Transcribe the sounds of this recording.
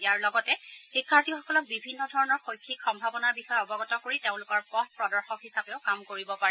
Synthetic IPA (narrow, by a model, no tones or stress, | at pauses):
ijaɹlɔɡɔtɛxikʰːaɹtixɔkɔlɔk̚bibʱinːɔdʱɔɹɔnɔɹxojkʰːikxɔmbʱabɔnaɹbixɔjɛɔbɔɡɔtɔkoɹiteʊ̃lʊkɔɹpɔt̚pɹɔdɔɹxɔkɦisapeʊkamkoɹibɔpaɹɛ